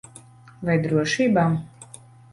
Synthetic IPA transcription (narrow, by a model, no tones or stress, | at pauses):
vajd̪ɾuɔʃiːbaː